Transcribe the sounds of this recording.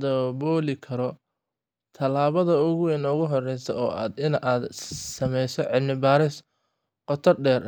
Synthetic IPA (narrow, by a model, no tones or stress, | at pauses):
d̪ɔbɔːlɪkʰɐɾɔ | t̪ʰɐlaːβɐðɐʊɣʊwɛnʊɣʊɦɔrɛjsɐɔːa̰ːd̪ɪnaːd̪sɐmɛjsɔʕɪlmɪbaːɾɪs | qɔt̪ʰɔrɖɛːr